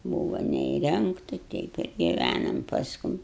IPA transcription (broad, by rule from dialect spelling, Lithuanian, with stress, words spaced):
ˈbuːʋoː nʲɛiːˈrʲɛŋktɐ ˈtʲɛɪp ɪr ɡʲɪˈʋʲænɐm pɐsˈkʊm